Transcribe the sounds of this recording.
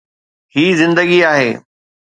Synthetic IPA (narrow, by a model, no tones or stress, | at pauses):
hiːzɪ̃nd̪əɡiaːɦeː